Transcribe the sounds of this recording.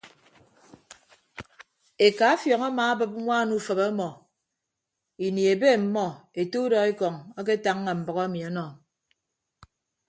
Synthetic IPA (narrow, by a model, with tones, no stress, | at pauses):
e˨ka˨˦fjɔ˨ŋa˦ma˨a˦bɨ˦p̚ŋʷaː˦˨nu˦˨fə˨bɔ˦mɔ˨ | i˨ni˨e˨be˦˨m̩˨mɔ˦e˨to˦dɔ˨e˦kɔ˨ŋa˦k̬e˦ta˦ŋː˦a˨m̩˨bɔ˨ɣɔ˦e˦mi˨ɔ˦nɔ˨